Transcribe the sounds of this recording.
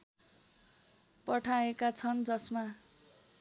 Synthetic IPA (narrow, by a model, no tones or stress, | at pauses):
pʌʈʰaekat͡sʰʌnd͡zʌsma